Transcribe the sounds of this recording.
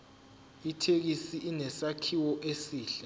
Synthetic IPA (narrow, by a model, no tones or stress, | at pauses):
itʰek̬isiʔinɛsakʰiwɔʔesiːɬa